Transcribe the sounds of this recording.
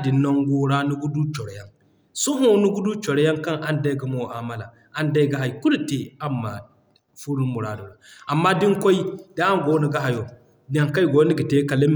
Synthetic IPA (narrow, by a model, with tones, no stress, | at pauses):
di˨nːo˦ŋɡo˦ɾa˦nu˦ɡu˦du˦t͡ʃo˨ɾja˦ŋ | su˦ɦu˦nu˦ɡu˦du˦t͡ʃo˨ɾja˦ŋka˦ŋʔa˨nda˦ɡa˨mo˦˨ʔa˨ma˦la̰˨ | ʔa˦nda˦ɡa˨ɦa˨jku˦du˨te˨a˦mːa̰˨ | fu˦ɾu˦n˦mu˨ɾa˦do˨ɾa˨ʔa˨mːa˦di˦ŋko˦ji˦da˦a˦ŋ˦ɡo˦nu˦ɡa˦ɦa˨jo˨ | da˦ŋka˦jɡo˦ni˦ɡi˨te˦ka˨li˦m˨